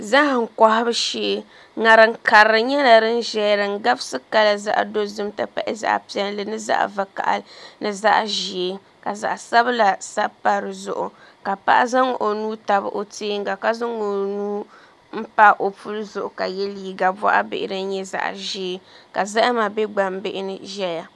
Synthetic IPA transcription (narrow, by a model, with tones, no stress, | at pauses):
za˦hŋ̩˨kɔ˦hɪ˦bɨ˦ʃeː˦ | ŋa˨ɾɨ˨ŋ˦ka˨ɾɨ˨ɲɛ˦na˨ɾɨ˦n˦ʒɛ˦ɾɨ˨ŋ̩˦ɡa˦bsɨ˦ka˦la˨za̰˦ʔdo˦zɨ˦m˦ta̰˦pa̰˦ʔɪ˦za̰˨ʔpi˦ɛ˦n˦lɨ˨nɨ˦za̰˦ʔva˨ka̰˨ʔa̰˨˦nɨ˨za˦ʔʒi˨e˦ | ka˨za̰˨ʔsa˦bla˨sa˦pa˦ɾɨ˨zʊ̰˦˨ʔʊ˨ka˨pa̰˦ʔa˦za˦ŋ˨ʔo˨nuː˦ta˨bɨ̰˦˨ʔo˨tʰeː˦ŋ˦ɡa˨ka˦za˦ŋo˨nuː˦ | m̩˦pa˦ʔo˨pu˦lɨ˦zʊ˨ʔʊ˨ka˨jɛ˦liː˦˨ɡa˨bɔ̰˦ʔa̰˦bɪ̰˨ʔɪ˨ɾɨ˦n˦ɲɛ˦za̰˨ʔʒi˨e˦ka˨za˦ʔa˦ma˨bɛ˦ɡ͡ba˨mbɪ˦ʔɪ˦nɨ˨ʒɛ˦ja˨